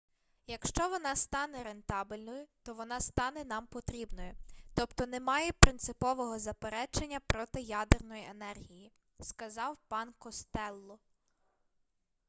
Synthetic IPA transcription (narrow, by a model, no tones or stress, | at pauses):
jɐkʃt͡ʃɔʋɔnɑst̪ɑnɛɾe̞nt̪ɑbɪlʲnɔjʊt̪ɔʋɔnɑst̪ɑnɛnɑmpɔt̪ɾʲibnɔjʊt̪ɔpt̪ɔnemɑjɛpɾɪnt̪sɪpɔʋɔɦɔzɐpeɾɛt͡ʃenʲːɐpɾɔt̪ɪjɑd̪ernɔjienɛrɦʲiji | skɐzɑwpɑnkɔst̪ɛlˠːɔ